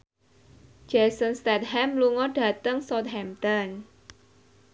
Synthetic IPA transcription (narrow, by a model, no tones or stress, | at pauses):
d͡ʒɛsənst̪ɛt̪̚ɦɛmluŋɔɖ̥ä̤t̪əŋsɔt̪̚ɦɛmt̪ɔn